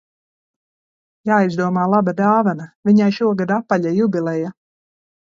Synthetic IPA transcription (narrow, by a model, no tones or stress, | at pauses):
jaːizd̪uɔmaːlˠabad̪aːvanaviɲajʃuɔɡad̪apːaʎajubʲilˠɛja